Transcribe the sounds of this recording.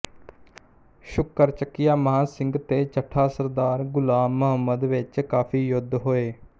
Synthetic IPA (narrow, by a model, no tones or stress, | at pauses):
ʃʊkːəɾt͡ʃəkːɪjaːməɦaːsɪ̃ŋɡt̪eːt͡ʃəʈʰaːsəɾd̪aːɾɡʊlaːmːʊɦəmːəd̪ʋɪt͡ʃkaːpʰiːjʊd̪ʱːɦoːeː